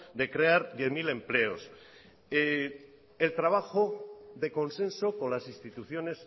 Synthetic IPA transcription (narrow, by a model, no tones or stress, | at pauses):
d̪e̞kɾeaɾðjeθmilẽ̞mple̞os | elt̪ɾaβ̞axoðe̞ko̞nsẽ̞nso̞ko̞nlasinst̪it̪uθjo̞ne̞s